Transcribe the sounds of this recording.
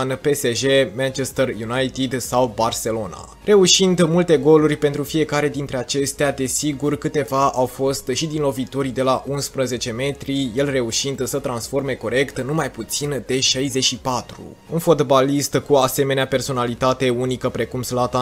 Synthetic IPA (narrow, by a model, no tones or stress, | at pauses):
npe̞seʒemant͡ʃest̪ərjunajt̪id̪sawbarse̞lo̞na̰ | re̞uʃind̪mult̪e̞ɡo̞lurʲpe̞nt̪ɾufije̞kaɾe̞d̪int̪ɾe̞at͡ʃe̞st̪ead̪e̞siɡurkɨt̪e̞vaʔawfo̞st̪ʃid̪inlo̞vit̪o̞ɾid̪e̞laʔunspɾəze̞t͡ʃe̞me̞t̪ɾije̞lre̞uʃind̪sət̪ɾansfo̞rme̞ko̞ɾe̞kt̪numajput̪sind̪e̞ʃajzeʃipat̪ɾṵ | unfo̞t̪balist̪kuase̞me̞neape̞rso̞nalit̪at̪e̞unikəpɾe̞kumslat̪a